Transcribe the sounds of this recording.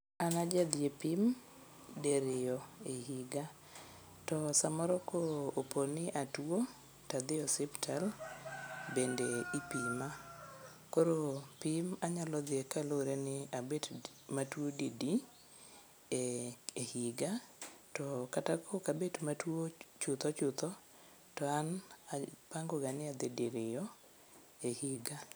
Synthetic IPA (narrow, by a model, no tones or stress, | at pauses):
anad͡ʒad̪ɪepim | deɾɪjɔehiɡa | tɔsamɔɾɔkooponɪʔatuo | tad̪ɪɔsɛptʰal | bendeipima | koɾopimaɲalɔd̪ɪekaloɾenɪabed | matwodidi | eehiɡatɔkatakʰokabetmatwot͡ʃʊt̪ɔt͡ʃʊt̪ɔ | tɔanapaŋɡoɡanɪad̪ɪdiɾɪjɔ | ehiɡa